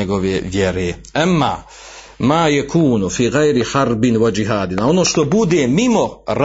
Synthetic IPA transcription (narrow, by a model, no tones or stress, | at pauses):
eɡoʋeʋjɛɾeːʔamːaː | maːjakʰuːnufiːɣajɾiħaɾbɪnwad͡ʒiɦaːd̪inaonoːʃt̪obud̪eːmimoɾ